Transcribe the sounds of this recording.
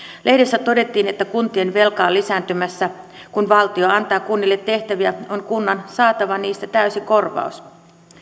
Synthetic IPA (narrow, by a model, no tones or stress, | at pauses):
lʔe̞hdesːæt̪o̞de̞t̪ːiːne̞t̪ːækunt̪ie̞nʋe̞lkɑːlːisæːnt̪ymæsːæ | kunʋɑlt̪io̞ɑnt̪ɑːkunːilːet̪ːe̞ht̪æʋiæo̞nkunːɑnsɑːt̪ɑʋɑniːst̪æt̪æysiko̞rʋɑ̰us